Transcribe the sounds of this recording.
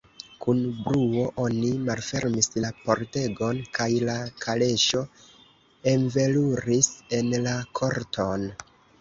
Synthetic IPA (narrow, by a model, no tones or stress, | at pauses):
kunbɾuo̞ʔo̞nimalfe̞ɾmislapo̞ɾte̞ɡo̞nkajlakʰale̞ʃo̞ | e̞nve̞luɾise̞nlakʰo̞ɾtʰon